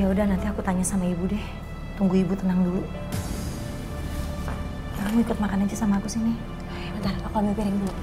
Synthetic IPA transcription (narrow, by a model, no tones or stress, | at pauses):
jaudahnant̪iakut̪aɲasamaibudɛh | t̪uŋɡuibut̪ənaŋdulu | aamikʊt̪̚makanand͡ʒasamaːkusihni | jad̪aɾapapabɛpiɾɛŋdua